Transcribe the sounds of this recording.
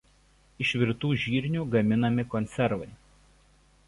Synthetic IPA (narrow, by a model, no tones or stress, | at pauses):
ɪʃʲʋʲɪɾt̪uːʒʲiːɾʲnʲuːˑɡɐmʲɪnɐmʲɪkɔnʲt̪sʲɛɾʋɐɪ